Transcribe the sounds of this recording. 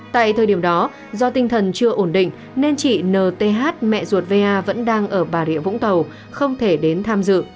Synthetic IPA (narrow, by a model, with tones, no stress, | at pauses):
t̪a̰ː˧˨jt̪ʰəː˨˩jɗi˧˩əmɗɔ˨˦ | zɔ˧t̪ï˧ŋ̟t̪ʰə˨˩nt͡ɕɨ˧əʔo˧˩nɗḭ̈˧˨ŋ̟ | ne˧nt͡ɕḭ˧˨nəː˨˩t̪e˧˩ɦaː˦˥t̚mɛ̰˧˨zu˨˩ət̚ve˧ʔaː˧və̰˧˥nɗaː˧ŋʔəː˧˩ɓaː˨˩ɗḭ˧˨əvʊ̰˧˥ŋ͡mt̪ə˨˩w | xə˧wŋ͡mt̪ʰe˧˩ɗe˨˦nt̪ʰaː˧mzɨ̰˧˨